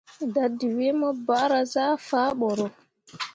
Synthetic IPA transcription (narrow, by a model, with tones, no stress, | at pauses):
da˨dːi˨wi˦mɔ˦ba˦ɾa˨zaː˦faː˦ɓɔ˨ɾɔ˨